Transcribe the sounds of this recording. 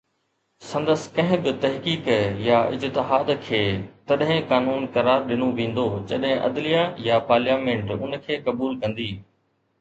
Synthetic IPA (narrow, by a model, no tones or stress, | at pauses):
sɐ̃nd̪əsɪ̥kɐ̃ɦɪ̃bɪt̪ɐɦkiːkjaɪ̰t̪t̪ɪɦaːd̪kʰeːt̪ɐɗɦɪ̃kaːnuːnkɐɾaːɾɗɪnoʋẽːnd̪od͡ʑɐɗɦɪ̃ʔɐ̰d̪lijajapaːɾljaːmẽːɳʈʊnkʰeːkɐbuːlkɐ̃nd̪iː